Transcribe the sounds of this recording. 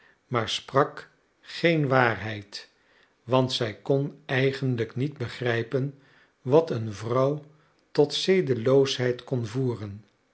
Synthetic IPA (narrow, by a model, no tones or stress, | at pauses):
maːɹsprɑk | χejnʋaːrɦɛjt | ʋɑntsɛjkɔnɛjχənləknid̚bəχrɛjpən | ʋɑtənvrɑw | tɔtsejdəlowsɦɛjtkɔnvuːrən